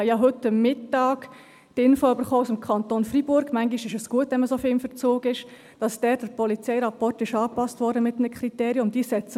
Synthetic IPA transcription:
jɑɦʏtːəmːɪtːɑːɡ̥ | d̥ɪnfoʏbəɾχoːusɪmkʰɑntoːnfribʊɾɡmæŋɡiʃɪʃəsɡ̥uətʋɛnməsofɪɪmfəɾt͡soːɡɪʃ | d̥ɑsd̥ɛːɾ̚d̥əɾpɔlit͡sɛɪɾɑpɔrtɪʃɑːpɑstʋɔɾdəmɪtnəkχriteːɾiʊmd̥iːsɛt͡s

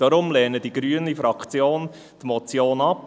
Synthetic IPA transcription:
d̥ɑɾʊmlɛːnədiɡɾyənifɾɑkχt͡sjoːn | t̪mɔt͡sjoːnɑp

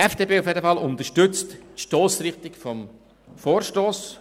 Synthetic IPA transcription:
ɛfd̥eːpeːʊfjedəfɑlʊnt̪əʃtʏt͡sttʃtoːsɾɪχtɪkfɔm | foːɾʃtoːs

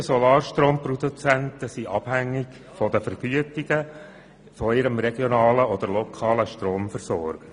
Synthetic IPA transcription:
sɔlɑːɾʃtɾoːmprɔd̪ut͡sæntəsiʔɑb̥hæŋːɪɡ | fɔd̪əfəɾɡ̥yətiɡə | fɔɪɾəmɾɛɡjɔnɑːləɔd̪əɾlɔkʰɑːləʃtɾoːmfəɾsɔɾɡ̥ə

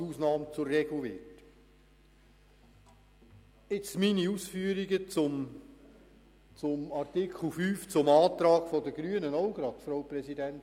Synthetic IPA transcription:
uːsnɑːmt͡sʊrːɛɡluʋɪt | ɪt͡sminiuːsfyəɾiɡət͡sʊm | t͡sʊmɑrtɪkʰl̩ˠfyːft͡sʊmɑːt̪ɾɑːɡ̥fɔdəɡ̥ɾyənənɔʊɡ̥ɾɑt̪fɾoʊprɛsidɛnt

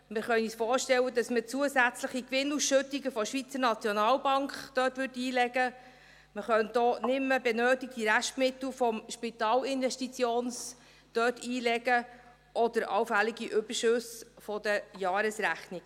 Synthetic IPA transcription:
mɪχœniːsfɔːɾʃtɛwːədɑsmət͡suəsæt͡sləχikʋɪnusʃɵtiɡəfɔʃʋit͡səɾnɑt͡sjɔnɑːlbɑŋkχd̥œːtʋʏrtiːlɛɡə | məχœntd̥ɔːnɪmːəbɛnøːtik̚tiɾæʃtmɪt̪l̩fɔmʃpit̪ɑːlɪnvɛʃtit͡sjoːns | d̪̥œːtʰiːlɛɡə | ʔɔd̥̪əɾʔɑ̰wfæliɡiʔʏb̥əɾʃʉsfɔdəjɑːɾəsɾæχniɡ

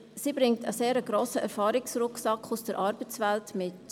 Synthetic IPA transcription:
siːbɾɪŋtəseːɾəɡ̥ɾoːsəʔɛɾfɑːɾɪksɾʊksɑkχusd̥əɾʔɑɾbət͡svɛltmɪt

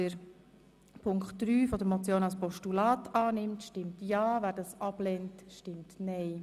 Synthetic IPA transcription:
əɾ | pʰʊŋktd̥ɾyːfɔdəɾmɔt͡sjoːnɑlspɔʃtulɑːtɑːnɪmtʃtɪmtjɑːvæːɾdɑsɑblɛntʃtɪmtnɛɪ

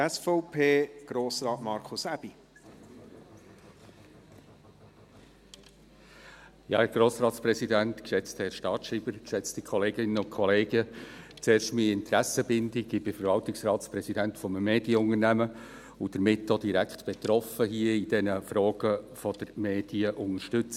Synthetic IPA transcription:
ɛsfɔʊpʰeːɡ̥ɾoːsɾɑːtmɑɾkʰʊsæb̥i | jɑ̰ːhɛɾɡ̥ɾoːsɾɑːtspɾɛsidæntkʃɛt͡sthɛɾʃtɑːtʃiːb̥əɾkʃɛt͡stikʰɔleːɡɪnəʊnkʰɔleːɡət͡seːɾʃtmiɪntɾæsəbɪndɪɡɪb̥ɪfəɾvɑltɪksɾɑːtspɾɛsidæntfɔmmeːd̥iəʊŋəɾnæmə | ʊd̥əɾmɪtdod̥iɾæktb̥ɛtɾɔfəɦiːəid̥ɛnəfɾɔːɡ̥əfɔd̥əɾmeːd̥iəʔʊŋəʃtʏt͡s

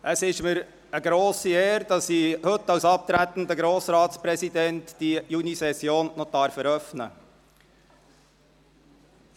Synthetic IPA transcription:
ʔəsɪʃməɾ | əɡɾoːsieːɾd̥ɑsːihɵt̪ːɑwsɑp̚t̪ɾæt̪ən̩d̪əɡɾoːsɾɑːtspɾɛsid̪ɛntd̥ijunisɛsjoːnnɔd̥̪ɑɾfəɾœfnə̰

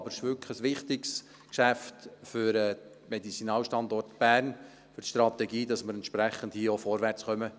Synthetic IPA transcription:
ɑbəɾɪʃʋʏlkχəsʋɪχt̪ɪks | kʃæftfʏɾɛ | mɛdit͡sinɑːlʃtɑnd̪ɔrtb̥æːrn | fʏrtʃt̪ɾɑt̪ɛɡiːd̥ɑsməɾɛntʃpɾæχənd̥hiəofɔɾʋært͡sχœmə

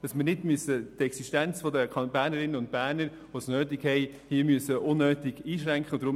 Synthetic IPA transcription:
d̥ɑsmɪɾnɪdmyəsətɛksiʃtænt͡sfɔdəkʰɑbæːɾnəɾɪnːənʊnt̚b̥æːɾnəɾ | ʋosnøːtiɡhɛɪ | hiəmyəsəʔʊnːøːtɪɡ̥iːʃɾæŋkχəʊd̥̪ɾʊ

